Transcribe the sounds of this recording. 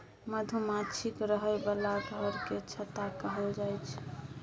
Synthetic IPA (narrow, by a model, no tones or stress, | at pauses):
məd̪ʱumat͡ʃʰikɾəɦəebalaɡʱəɾket͡ʃʰət̪akəɦəld͡ʒajt͡ʃʰ